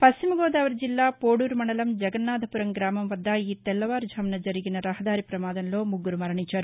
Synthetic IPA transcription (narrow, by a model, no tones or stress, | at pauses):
pɐst͡ʃimɐɡɔːd̪aːʋɐɾd͡ʒilːaːpoːɽuːɾmɐɳɐlɐmd͡ʒɐɡɐnːaːd̪ʱɐpuɾɐŋɡɾaːmɐmʋɐd̪ːɐiːt̪ɛlːɐʋaːɾd͡ʒʱɐmnɐd͡ʒɐɾiɡinɐɾɐɦɐd̪aːɾipɾɐmaːd̪ɐnlo̞ːmuɡːuɾumɐɾɐɳiɲt͡ʃːaːɾu